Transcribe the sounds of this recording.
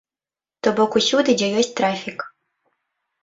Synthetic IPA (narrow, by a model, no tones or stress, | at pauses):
t̪ɔbɔkusʲud̪ɨd͡zʲɛjɔsʲt̚ʲt̪ɾafʲik